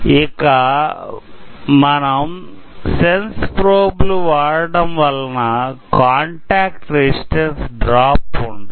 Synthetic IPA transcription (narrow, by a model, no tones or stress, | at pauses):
ikɐ | mɐnɐm | senspɾoːbluʋaːɽɐɽɐmʋɐlɐnɐkaːɳʈaːkʈɾesʈensɖɾaːpːuɳɖi